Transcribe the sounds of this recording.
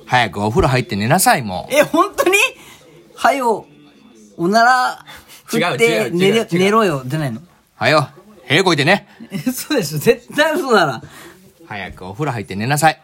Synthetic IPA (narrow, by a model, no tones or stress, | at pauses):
hajakɯ̟oɸɯ̟ɾɯɦait̪ːe̞ne̞nasaimo̰ehõ̞nt̪oɲ̟i | hajo | onaɾaɸɯɡat̪ːeneɾone̞ɾoːjod̪enaino | hajo | he̞ːko̞it̪e̞neesoːd̪e̞soze̞t̪ːaĩsoːnaɾa | haja̰kɯ̟oɸɯ̟ɾɯ̟ɦait̪ːe̞ne̞nas̬ai